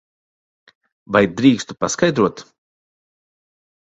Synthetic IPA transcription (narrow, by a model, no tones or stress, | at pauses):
vajd̪ɾiːkst̪u̥paskajd̪ɾuɔt̪